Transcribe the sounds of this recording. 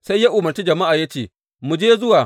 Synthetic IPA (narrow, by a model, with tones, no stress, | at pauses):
sa˦ja˦ʔʊ˨mɐ˨rt͡ʃi˦d͡ʒɐ˨ma˦ʔaː˨ja˦t͡ʃeː˨ | mu˨d͡ʒeː˦zʊ˦waː˨